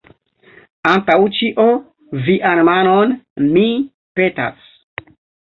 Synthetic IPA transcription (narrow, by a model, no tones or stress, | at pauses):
antawt͡ʃiʔo | viʔanmanonmi | pe̞ta̰s